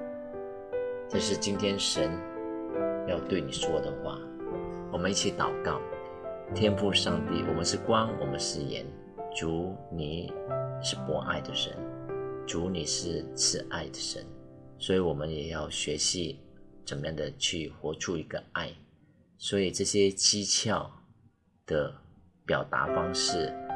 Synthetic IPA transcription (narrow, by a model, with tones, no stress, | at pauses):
t̪ʰa˥˧ʂɻ̩˥˩t͡ɕi˥nt̪ʰjɛ˥nʂə˧˦˥n | jɑ˥˧ʊt̪we˥˩ɪni˨˩ʂwɔ˥d̪ə˨xwa̰˥˩ | wɔ˨˩mə˦ni˥˩t͡ɕʰi˧˥t̪ɑ˨˩ʊkɑ˥˩ʊ | t̪ʰjɛ˥nfu˥˧ʂɑ˥˧ŋt̪ḭ˥˩wɔ̰˨˩mə˦nʂɻ̩˥˩kwɑ˥ŋwɔ˨˩mə˦nʂɻ̩˥˩jɛ̰˧˥˦n | ʈ͡ʂu˧˥ni˨˩ʂɻ̩˥˩pwɔ˧˥ʔa̰˥˩ɪd̪ə˨ʂə̰˧˦˥nʈ͡ʂu˧˥ni˨˩ʂɻ̩˥˧t͡sʰɹ̩˥˧ʔa˥˩ɪd̪ə˩ʂə̰˧˦˥nswɔ˧˥i˧˥wɔ˨˩mə˦njɛ˨˩jɑ˥˩ʊɕɥɛ˧˥ɕi˧˥ʈ͡ʂə˨˩nmə˦jɑ˥˩ŋd̪ə˨˩t͡ɕʰy˥˩xwɔ˧˥ʈ͡ʂʰu˥˧i˧˥ɡə˧a˥˩ɪ | swɔ˧˥i˨˩ʈ͡ʂɤ˥˩ɕjɛ˥t͡ɕi˥t͡ɕʰjɑ˥˩ʊ | d̪̥ə˨ | pjɑ˨˩ʊt̪a̰˧˥fɑ˥ŋʂɻ̩˥˩